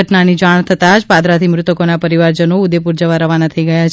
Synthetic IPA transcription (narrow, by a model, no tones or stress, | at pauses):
əʈnanid͡ʒaɳ̃t̪ʰət̪ad͡ʒpad̪ɾat̪ʰimɾʊt̪əkonapəɾiʋaɾd͡ʒənoud̪epuɾd͡ʒəʋaɾəʋanat̪ʰəiɡəjat͡ʃʰ